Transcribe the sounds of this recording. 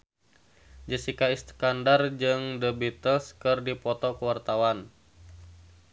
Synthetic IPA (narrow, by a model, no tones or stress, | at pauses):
d͡ʒəsikaist̪kandard͡ʒɨŋdəbit̪əlskɨrdipɔt̪ɔkəwart̪awan